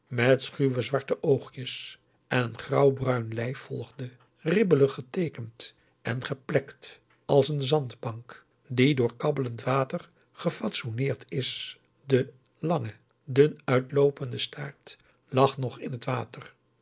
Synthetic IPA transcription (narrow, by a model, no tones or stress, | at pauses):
mɛtsχyʋəzʋɑɹtəʔowχjəs | ʔɛnənχrɑwbrœɥnlɛjfɔlˠχdə | rɪbələχətejkənt | ɛnχəplɛkt | ɑlˠsənzɑndbɑŋk | didʊːɹkɑbələntʋaːtər | χəfɑtsonɪːɹtɪs | də | lɑŋə | dənœɥtlowpəndəstʰaːɹt | lɑχnɔχɪnɦətʋaːtər